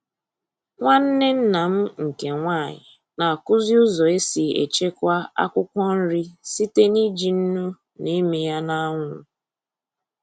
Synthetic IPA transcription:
ŋʷa˦n̩˦nɪ˦n̩˦na˨m̩˦ŋ̩˨ke˨ŋʷaː˦˨ɲɪ̰˨ | na˨a˨kʊ˦zi˦ʊ˦zɔ˨e˦si˨ḛ˨t͡ʃe˦kʷa˦a̰˦kʷʊ˦kʷɔ˦n̩˦ɾi˦si˦te˦ni˦d͡ʒi˨n̩˦nu˦ | ne˦me˨ja˦na˦a˦ŋʷʊ˦˨

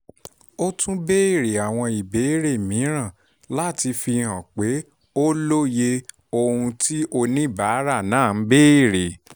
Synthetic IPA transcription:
o˦tʰũ˦be˦i˦˨ɾe˨a˨w̃ɔ̃˧i˨be˨˦i˦ɾe˦˨mĩ˨˦ɾ̃ã˦˨ | la˦˨ti˧fi˧hã˨k͡pe˨˦ | o˦lo˦je˧ | o˧hũ˧ti˦o˧nĩ˦˨ba˨˦ɾa˦˨nãː˦˨n̩˦be˦i˦˨ɾe˨

